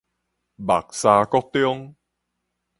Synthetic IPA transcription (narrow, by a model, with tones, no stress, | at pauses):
ba˨˩k̚saː˧kɔ˦˥k̚t̪jɔ˥ŋ